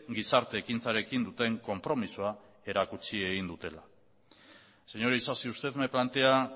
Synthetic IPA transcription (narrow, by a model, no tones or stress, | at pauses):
ɡisaɾt̪e̞ːkint͡saɾe̞kind̪ut̪e̞ŋko̞mpɾo̞misua | e̞ɾakut͡sie̞ɣind̪ut̪e̞la | se̞ɲo̞ɾeisasiust̪e̞ðmeplant̪e̞a